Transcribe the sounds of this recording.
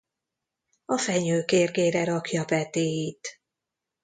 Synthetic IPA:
ɒfɛɲøːkeːrɡeːɾɛɾɒkjɒbɛt̪eːjit̪

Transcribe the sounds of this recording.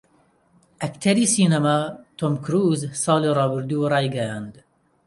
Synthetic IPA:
ʔɐkt̪ʰɐɾiːsiːnɐmat̪ʰomkʰɾuːzsɑːlirˤɑːbɨɾd̪irɑːjɡɐjɑːnd̪

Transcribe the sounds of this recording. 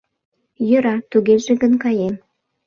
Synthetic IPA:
jə̆ɾɑt̪uɣeʒĕɣənkɑjem

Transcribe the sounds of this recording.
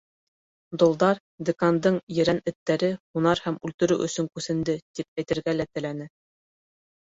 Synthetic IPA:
d̪ŏlˠd̪ɑɾ | d̪ĕkɑnd̪ɤɴjɘ̆ɾænɘ̆t̪ːæɾɘhunɑɾhæmʉlt̪ɵ̆ɾɵʔɵ̰̆sɵŋkʉsɘ̆nd̪ɘt̪ip̚æjt̪ɘ̆ɾɡælæt̪ɘ̆lænɘ

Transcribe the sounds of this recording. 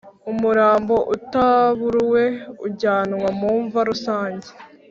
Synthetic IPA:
umuɾaːmbo̞ʔutaβuɾwe̞uɟaːnwamuːɱvaɾusaːɲɟe̥

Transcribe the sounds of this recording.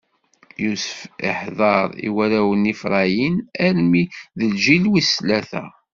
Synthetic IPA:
jusə̥fɪ̰ħðˤɑɾˤḭwæɾæwənifɾˤɑjinæɾmiðəlʒilwislæθæ̰

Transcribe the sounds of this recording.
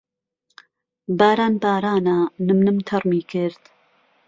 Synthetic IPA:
baːɾaːnbaːɾaːnanɨmnɨmt̪ʰɐrmiːkʰɨɾd̪

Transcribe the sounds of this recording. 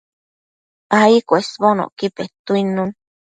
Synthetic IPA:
aikʷesbono̰ʔkipet̪uinũn

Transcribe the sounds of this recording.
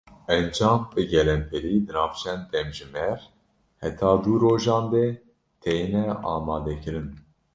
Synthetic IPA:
ɛnd͡ʒɑːmbɨɡɛlɛnpʰɛɾiːd̪ɨnɑːft͡ʃʰɛnd̪ɛmʒɨmɛɾ | hɛt̪ʰɑːd̪uɾoːʒɑːnd̪ɛ | t̪ʰɛjinɛɑːmɑːd̪ɛkɨɾɨn

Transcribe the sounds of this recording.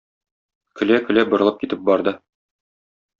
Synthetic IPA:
kɵ̆lækɵ̆læbŏɾɤ̆lˠɤp̚kit̪ɘp̚bɒɾd̪ɤ

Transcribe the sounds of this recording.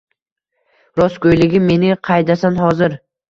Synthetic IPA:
ɾɒskʰojlɪɡʲɪmːe̞nɪqʰɑjd̪asanhɒzɪɾ

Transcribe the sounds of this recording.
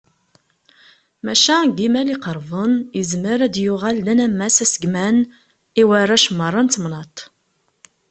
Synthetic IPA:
mæʃæɡimæliqəɾˤvənjəzməɾæd̪jʊʁælːænæmːæsæsəɡmæn | iwərˤːæʃmːərˤːɑnt̪mnɑt̪ˤ

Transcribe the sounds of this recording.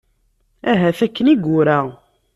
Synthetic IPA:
æɦæθækːəniɡʊɾæ

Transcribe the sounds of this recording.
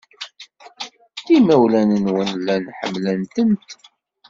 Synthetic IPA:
θimæwlænənwənlːænħə̰mlənt̪ənt̪

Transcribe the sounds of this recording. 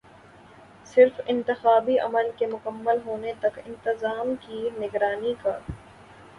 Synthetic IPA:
sɪɾfɪ̃nt̪ɪxaːbiʔɐ̰məlkemʊkəmːəlɦoːnet̪ɐkɪ̃nt̪ɪzaːmkinɪɡɾaːnikaː

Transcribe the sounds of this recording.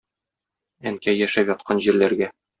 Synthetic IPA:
æŋkæjæʃæpjɒt̪̚qʰɑnʑiɾlæɾɡæ

